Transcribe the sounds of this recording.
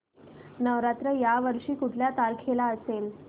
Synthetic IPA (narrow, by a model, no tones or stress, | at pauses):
nəʋɾat̪ɾəjaʋəɾʂiːkuʈʰljat̪alkʰelaəsel